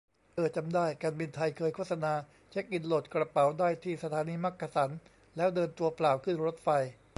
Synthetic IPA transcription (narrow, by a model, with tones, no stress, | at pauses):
ʔɤː˨˩t̪̚t͡ɕa˧mdaː˥˩jkaː˧nbi˧nt̪ʰa˧jkʰɤː˧jkʰoː˥˩t̚sa˧naː˧ | t͡ɕʰe˦˥k̚ʔi˧nlo˨˩t̪̚kɾa˧pa˩˦wdaː˥˩jt̪ʰiː˥˩sa˧t̪ʰaː˩˦niː˧ma˦˥kʰːa˧sa˩˦n | lɛː˦˥wdɤː˧nt̪u˧ɐplaː˨˩wkʰɯ˥˩nɾo˦˥t̪̚fa˧j